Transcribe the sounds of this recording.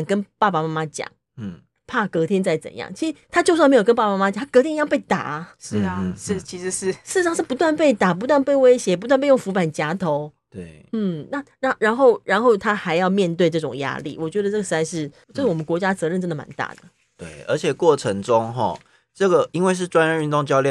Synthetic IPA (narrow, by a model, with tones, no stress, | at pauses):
ŋkə˦˥npa˥˩pa˨˩ma˥ma˦t͡ɕjɑ̰˨˩˦ŋ̩˥˩ | pʰa˥˩kɤ˧˥t̪ʰjɛ˥nt͡sa˥˩ɪt͡sə̰˨˩njɑ̰˥˨˩ŋt͡ɕʰi˧˥ʂɻ̩˧˥t̪ʰa˥t͡ɕjo˥˧ʊswa˥˩me˥o˨˩kə˦npa˥˧˩a˧ma˥ma˥t͡ɕɑ˨˩a˥kɤ˧t̪ʰjɛ˥i˧jpe˥˩ɪt̪a̰˨˩˦ʂ̩˥˩ʂ̩˥˩t͡ɕʰi˧˥ʂɻ̩˧˥ʂɻ̩˥˧ʂɻ̩˥˩˧ʂɑ˥˧ŋʂɻ̩˥˩pu˧˥t̪wa˥˧npe˥˩ɪt̪a˨˩p̬u˧˥t̪wa˥˧npe˥˩ɪwe˥ɪɕjɛ˧˥pu˧˥t̪wa˥˧pe˥˧ɪo˥˩ŋfu˧˥pa˨˩nt͡ɕja˥t̪ʰo˧˥ʊt̪we˥˩ɪn̩˥˩na˥˨ɻa˥˩ɻa˧˥nxo˥˩ʊɻa˧˥nxo˥˩ʊt̪ʰa˥xa˧˥ɪjɑ˥˧ʊmjɛ˥˧nt̪we˥˧ɪʈ͡ʂɤ˥˩ʈ͡ʂʊ˨˩ŋja̰˥lḭ˨˩wɔ˨˩t͡ɕɥɛ˧˥d̪ə˧ʈ͡ʂɤ˥˩ɡə˩ʂɻ̩˧˥a˧ʂɻ̩˥˩ | t͡ɕo˥˩wɔ˨˩mə˦nkwɔ˧˥t͡ɕja˥t͡sɤ˧˦ɻə˥˩nʈ͡ʂə˥nd̪ə˨˩ma̰˧˥nt̪a̰˥˩d̪ə̰˩ | t̪we˥˩ɪə̰˞˧˥t͡ɕʰjɛ˨˩kwɔ˥˩ʈ͡ʂʰə˧˥ŋʈ͡ʂʊ˦˥ŋɦɔ̰˨˩ | ʈ͡ʂɤ˥˨˩ɡə˩i˥nwe˥˧ɪʂ̬ɻ̩˥˩ʈ͡ʂwa˥nɻə˥˧ny˥˧nt̪ʊ˥˧ŋt͡ɕjɑ˥˧ʊljɛ˥˨